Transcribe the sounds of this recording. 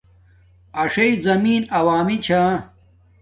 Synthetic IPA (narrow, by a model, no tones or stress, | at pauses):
ɐʂɐizɐmiːnɐwaːmit͡ɕʰaː